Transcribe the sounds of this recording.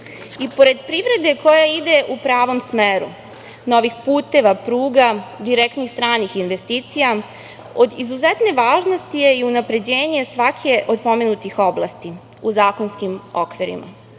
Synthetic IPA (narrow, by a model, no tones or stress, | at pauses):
ipo̞ɾe̞d̪pɾiʋɾe̞d̪e̞ko̞jaid̪e̞ʔupɾaːʋo̞msmeːɾṵ | no̞ʋixpuːt̪e̞ʋapɾuːɡad̪iɾekt̪nixst̪ɾaːnixinʋe̞st̪iːt̪sija | o̞d̪izuzet̪ne̞ʋaːʒno̞st̪ijeiunapɾe̞d͡ʑe̞ːɲesʋakʰe̞ʔo̞d̪po̞menut̪ixo̞blˠast̪i | uzaːko̞nskimo̞kʋiɾḭma̰